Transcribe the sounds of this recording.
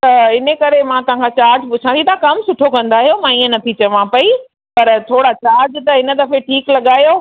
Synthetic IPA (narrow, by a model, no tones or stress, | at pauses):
t̪ɐɪnəkɐɾemãt̪ɐʋ̤ãŋkʰat͡ɕaːɾd͡ʑpʊt͡ʃʰãnit̪ʰakɐmsʊʈʰokɐ̃nd̪aːɦijomãːiːə̃nɐt̪ʰit͡ɕɐʋãpɐi | pɐɾt̪ʰoːɽat͡ɕaːɾd͡ʑt̪ɐɪnə̆d̪ɐfeʈʰiːklɐɠaːjo